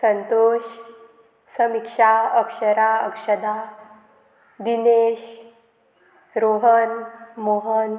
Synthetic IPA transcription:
sənt̪oʃ | səmikʂaəkʂəɾaə̰kʂəd̪a | d̪ineʃ | ɾoɦənmoɦən

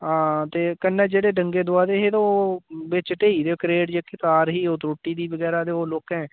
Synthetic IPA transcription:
ɦãːt̪eːkənːɛːd͡ʒeːɽeːɖəŋɡeːd̪ʊaːd̪eːɦeːt̪õobɪt͡ʃʈeːiːd̪eːkɾeːʈd͡ʒekɪt̪aːɾɦiːoːt̪ɾoːʈːiːd̪iːbəɡɛːɾaːd̪eːoːloːkɛ̃ː

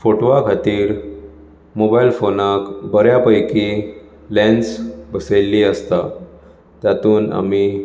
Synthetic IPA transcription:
foʈʋakʰat̪iːɾ | mobailfonakbəɾjapəjki | lɛ̃nsbəselːiəst̪a | t̪jat̪uːna̰mi

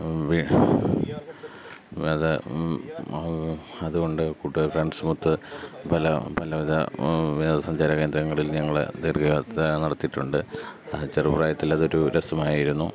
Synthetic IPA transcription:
ʋi | ɐðɨ | ɐðuɣo̞ɳɖɨkuʈːufrɐɳɖsmut̪ːɨpɐlɐ̰pɐlɐʋiðɐ̰ʋied̪ɐsɐɲd͡ʑaːɾɐkeːnd̪ɾɐŋːɐɭilɲɐŋːɐɭ̰t̪erkɐɣat̪ːenɐɽɐt̪ːiʈːuɳɖɨt͡ɕerɨpraːjɐt̪ːilːɐðo̞ɾuɾesɐmaːjiɾunːu

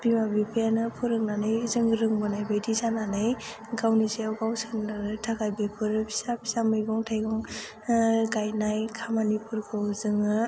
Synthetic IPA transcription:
bimabipʰijanɯpʰɯɾɯŋnanɯjzɯŋɾɯŋbɯnajbejdizananɯj | ɡawnizeawɡawsɯnɯɯtʰakajbepʰɯɾɯpʰi̥sapʰi̥samɯjɡɔŋtʰajɡɔŋ | ɡajnajkʰamanipʰɯɾkʰɯwzɯŋɯ

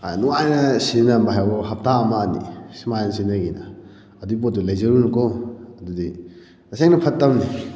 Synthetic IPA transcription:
a̰nuajnɐsinɐmaɦajboɦɐp̚taːmaːnḭsimajnsinɐɡinɐ̰ | ɐdip̬ot̚dulɐjzɐɾunukoɐdudi | tɐseŋnɐpʰɐtːɐmni

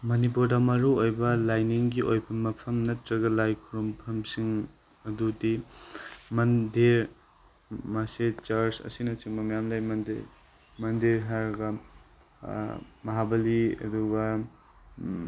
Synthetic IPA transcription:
mɐnip̬uɾdɐmɐɾuojbɐlajniŋɡiʔojpʰɐmːɐpʰɐmnɐtɾɐɡɐlajkʰuɾumpʰɐmsiŋ | ɐdudi | mɐndiɾ | maset͡ʃaɾsɐ̰sinɐt͡ʃiŋbɐmajamlajmɐnd | mɐndiɾɦaɾɡɐ | mɐɦabɐliɐ̰duɡɐ

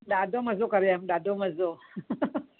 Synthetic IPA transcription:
dadomazokaɾjamɗadomazo

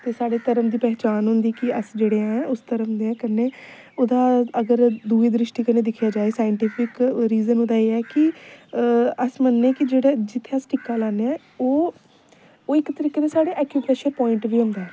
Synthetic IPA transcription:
t̪eːsaːɽeːt̪əɾəmd̪iːpɛːt͡ʃaːnɦʊ̃nd̪iːkɪəsd͡ʒeːɽeːãːɛ̃ːʊst̪əɾəmd̪eːãkənːeː | oːd̪aːəɡəɾd̪uːiːd̪ɾɪʃʈiːkəneːd̪ɪkʰjaːd͡ʒaːeːsaːjəɳʈiːpʰɪkɾiːzənɦoːd̪aːeːɛːkɪ | əsmənːẽːkɪd͡ʒeːɽeːd͡ʒɪt̪ʰːeːəsʈɪkːaːlaːneɛ̃ː | oː | oːɪkt̪əɾiːkeːd̪eːsaːɽeːʔɛːkjuːpɾeːʃəɾpɔːɪɳʈʋiːɦʊ̃nd̪aɛː

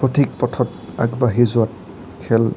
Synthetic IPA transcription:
pʰɔtʰik̚pɔtʰɔta̰kbaɦizʊwat̚ | kʰɛl

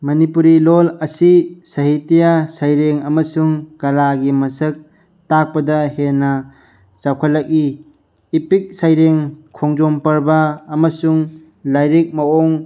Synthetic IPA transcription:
mɐnipuɾilolɐsisɐɦitijasajɾeŋɐmɐsuŋkɐlaɡimɐsək̚ | tak̚pɐdɐhenːɐ | t͡ʃawkʰalɐk̚iː | pik̚sajɾeŋkʰɔŋd͡ʒompɐɾbaːmɐsuŋ | lajɾik̚maɔŋ

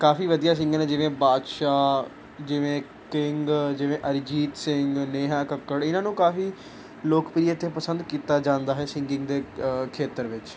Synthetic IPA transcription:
kaːfiːʋəd̪ijaːs̬ɪ̃ŋɡnẽːd͡ʒɪʋẽːbaːd̪ʃaː | d͡ʒɪʋẽː | kɪŋɡd͡ʒɪʋẽːʔəɾd͡ʒiːt̪sɪŋɡneːɦaːkəkːəɽɪnãːnũːkaːfiː | loːkpɾijat̪eːpəsə̃nd̪kiːt̪aːd͡ʒãːnd̪aːɦɛːsɪŋɡɪ̃ŋɡd̪eːkʰeːt̪əɾʋɪt͡ʃ

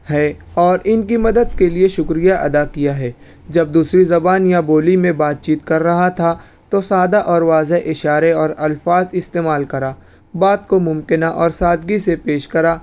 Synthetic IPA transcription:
hɛː | ɔːɾɪnkimɐd̪əd̪kelieʃʊkɾijaʔɐd̪akijaɦɛː | d͡ʒɐb̚d̪uːsɾizɐbaːnjaboːlimẽbaːt̪̚t͡ʃiːt̪kɐɾːɐɦat̪ʰa | t̪osaːd̪aʔɔːɾʋaːzeʔɪʃaːɾeɔːɾɐlfaːzɪst̪eːmaːlkɐɾaː | baːt̪̚komʊ̃mkɪnaʔɔːɾsaːd̪ɡisepeːʃkɐɾaː

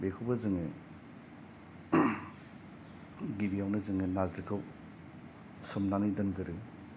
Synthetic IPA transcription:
bekʰubazɯŋe | ɡibijawnɯzɯŋelazɾikʰɯw | sɔmnanidɯnɡɯɾɯ

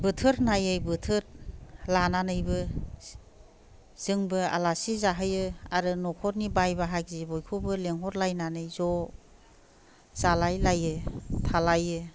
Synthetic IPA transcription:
bɯtʰɯɾnajɯjbɯtʰɯɾlananɯjbɯ | z̥ɯŋbɯa̰lasizaɦɯjɯaɾɯnɔkʰɔɾnibajbaɦak̚zibɔjkʰubɯleŋɦɔɾlajnanɯjzɔ | z̥alajlajɯtʰalajɯ

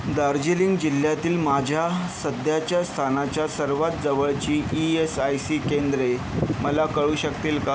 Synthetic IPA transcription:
d̪aɾd͡ʑiliŋɡd͡ʑil̤jat̪iːlmad͡ʑʱjasəd̪ʱjat͡ɕjast̪ʰanat͡ɕjasəɾʋat̪̚d͡zəʋəɭt͡ɕiːʔiesajsiːkend̪ɾeməlakəɭuːɕəkt̪iːlka

